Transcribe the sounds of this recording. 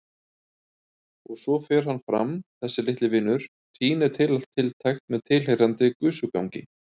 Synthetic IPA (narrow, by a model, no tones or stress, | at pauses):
ɔɣsɔfɛːɾ̥hanːfɾa̰mθɛsːɪlɪht̪lɪvɪːnːʏɾ̥ | t̪ʰiːnɛɾ̥t̪ʰɪlal̥t̪ʰːɪlt̪ʰajxt̪mɛðt̪ʰɪl̥hejɾant̪ɪkʏsʏka̰wŋcɪ̰